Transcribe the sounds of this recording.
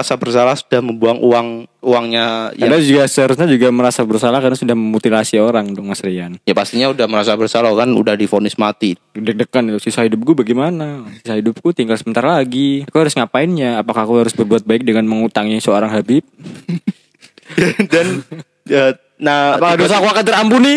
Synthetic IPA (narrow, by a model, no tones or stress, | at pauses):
asabərsalahsu̥dahməmbuaŋʔuaŋuaŋɲajaad͡ʒuɡasəaɾʊs̬ɲad͡ʒuɡaməɾasabərsalahkaɾnasudahməmut̪ilasioɾaŋdɔk̚masɾianjapast̪iɲaudahməɾasabərsalakanṵdahdifonɪsmat̪idək̚dəkːanusisahidʊp̚ɡubaɡɛmanasisahidʊp̚kut̪iŋɡalsəbənt̪aɾalaɡiakuhaɾʊsŋapaɪnɲaːpakakuhaɾʊsbərbuat̪̚baɪk̚dəŋanməŋut̪aŋaŋsəoɾaŋɦabɪp̚ | adan | ə | nahapakadosakuakat̪əɾampuni